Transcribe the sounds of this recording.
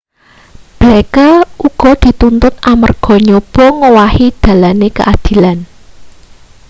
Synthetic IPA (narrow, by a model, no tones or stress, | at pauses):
b̥lekaʔuɡ̥ɔ̤d̪̥i̤t̪unt̪ʊt̪ʔamə̰rɡ̥ɔ̤ɲob̥ɔ̤ŋowahid̪̥a̤lanekə̰ʔad̪̥i̤lan